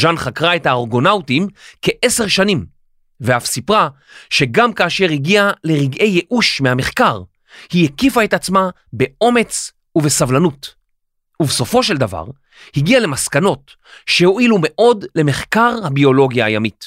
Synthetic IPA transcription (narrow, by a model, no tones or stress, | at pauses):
ʒanχakʁae̞thaoʁɡo̞nawtimke̞ʔese̞ʁʃanim | veafsipʁa | ʃe̞ɡamkaːʃe̞ʁhiɡiale̞ʁiɡʔe̞jːeʔuʃmehame̞χkaʁ | hijekifae̞tat͡sma | be̞o̞me̞t͡s | uvesavlanut | ubeso̞fo̞ʃe̞ld̪ava̰ʁ | hiɡiale̞maskano̞t | ʃe̞ho̞ʔilume̞ʔo̞dle̞me̞χkaʁhabio̞lo̞ɡijaːjamit